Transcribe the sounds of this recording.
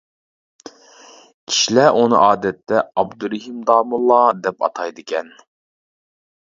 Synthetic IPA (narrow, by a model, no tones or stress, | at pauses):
kʲʰi̥ʃilæʔunɨ̰ʔɑːd̪ɛt̪ːɛɑbd̪uɾɪɦimd̪ɑːmulˠːɑd̪ɛpɑ̰t̪ʰɑjd̪ɨkʲʰɛn